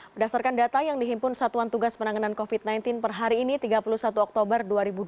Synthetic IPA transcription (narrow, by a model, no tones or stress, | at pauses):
bədasarkandat̪ajaŋdiɦimpʊnsat̪uant̪uɡaspənaŋanankofit̪̚najnt̪ɪnpərɦaɾiːnit̪iɡapulusat̪uɔk̚t̪obərduaɾibud